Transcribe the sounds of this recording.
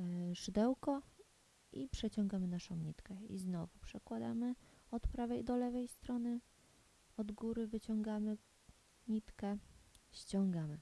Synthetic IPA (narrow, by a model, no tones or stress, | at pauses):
ʂɘd̪ɛwkɔ | ipʂɛt͡ɕɔŋɡamɘnaʂɔ̃w̃ɲit̪kɛḭznɔvupʂɛkwad̪a̰mɘɔt̪pɾavɛjd̪ɔlɛvɛjst̪ɾɔnɘ | ɔd̪ɡuɾɘvɘt͡ɕɔŋɡamɘ | ɲit̪kɛɕt͡ɕɔŋɡamɘ